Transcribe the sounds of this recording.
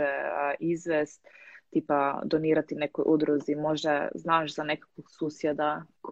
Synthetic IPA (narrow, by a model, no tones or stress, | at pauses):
ɛʔizʋɛst̪t̪ipad̪oniːɾat̪inɛkojʔud̪ɾuzimoʒɛznaːʒzanɛkḁkʋoksusjɛd̪ak